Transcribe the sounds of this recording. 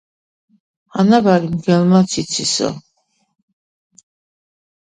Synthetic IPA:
anabaɾimɡɛlmat̪sʰit̪sʰisɔ̰

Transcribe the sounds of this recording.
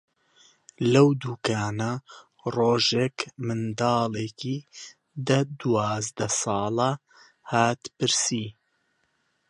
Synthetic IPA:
lɐwd̪uːkaːnɐ | roːʒeːkmɨnd̪ɑːlˠeːki | d̪ɐd̪uwaːzd̪ɐsɑːlˠɐ | haːt̪pɨɾsi

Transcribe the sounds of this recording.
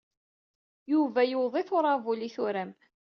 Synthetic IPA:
juvæjʊðˤiθʊɾˤɑvʊliθʊɾæm

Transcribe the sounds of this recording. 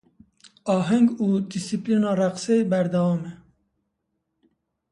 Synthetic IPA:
ɑːɦɛŋɡud̪isiplinɑːɾæqsejbæɾd̪awɑːmɛ

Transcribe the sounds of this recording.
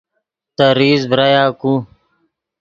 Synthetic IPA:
t̪ɐɾiːzbɾajaːku

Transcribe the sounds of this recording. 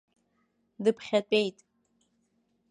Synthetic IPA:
dɨpʰχʲatʷʼe̞jtʼ

